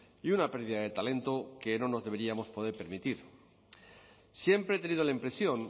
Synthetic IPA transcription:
iunape̞ɾðiðaðe̞t̪ale̞nt̪o̞ke̞no̞no̞zðee̞ɾiamo̞spo̞ð̞e̞ɾpe̞ɾmit̪iɾ | sje̞mpɾet̪e̞nið̞olaimpɾe̞sjo̞n

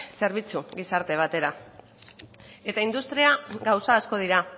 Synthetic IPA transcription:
se̞ɾβ̞it͡suɡisaɾt̪e̞β̞at̪e̞ɾa | e̞t̪aind̪ust̪ɾiaɡawsaːsko̞ð̞iɾa

